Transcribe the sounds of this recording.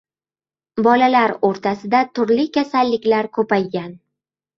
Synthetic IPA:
bɒlalaɾoɾt̪ʰasɪd̪at̪ʰʊɾlɪkʲasalːɪkʲlaɾkʰɵpajɡʲan

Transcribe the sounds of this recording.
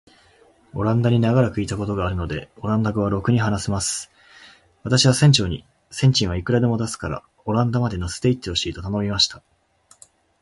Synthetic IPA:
o̞ɾãnd̪aɲ̟inaɡaɾakɯ̟it̪ako̞t̪o̞ɡaːɾɯ̟no̞d̪e̞o̞ɾãnd̪aɡɯβ̞aɾo̞kɯ̟ɲ̟iɦanasemasɨ̥ | βat̪aɕiβasẽ̞ɲ̟t͡ɕo̞ːɲ̟ḭ | sẽ̞ɲ̟t͡ɕĩɰ̃aikɯ̟ɾad̪e̞mo̞d̪asɨ̥kaɾa̰ | o̞ɾãnd̪amad̪e̞nasɨ̥t̪eit̪ːeoɕiːt̪o̞t̪ano̞mʲimaɕi̥t̪ḁ

